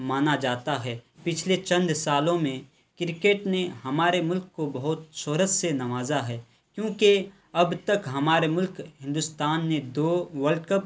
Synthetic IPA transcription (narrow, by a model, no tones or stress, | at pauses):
maːnad͡ʒaːt̪aɦɛːpɪt͡ʃʰlet͡ʃɐ̃nd̪saːlõmẽ | kɪɾɪkeːʈneɦɐmaːɾemʊlkːobɐɦʊt̪soːɾəd͡ʒsenɐʋaːzaɦɛː | kjõːke | ɐbt̪ɐkɦɐmaːɾemʊlkɦɪ̃nd̪ʊst̪aːnːẽd̪oːʋəlɖkəp